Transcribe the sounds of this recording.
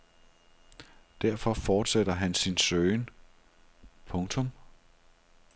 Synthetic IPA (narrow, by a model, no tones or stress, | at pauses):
d̥æɐfɒ̽fɒːd̥sed̥ɐɦænsinsøːɪn | pʰɔ̽ŋt͡sʰɔ̽m